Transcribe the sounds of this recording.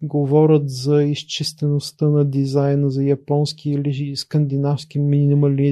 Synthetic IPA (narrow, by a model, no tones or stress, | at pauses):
ɡovɔɾʲət̪zɐist͡ʃist̪ɛnost̪ənɐd̪izajnəzɐjɐpɔnskiiliiskənd̪inafskiminʲinimɐli